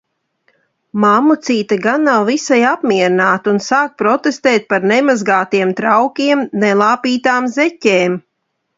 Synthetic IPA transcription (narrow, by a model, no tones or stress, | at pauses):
mamut̪siːt̪aɡanːawvisajapmiɛɾinaːt̪unsaːk̚pɾɔt̪est̪eːt̪̚paɾnɛmazɡaːt̪iɛmt̪ɾawkʲiɛmnɛlˠaːpiːt̪aːmzɛcʲeːm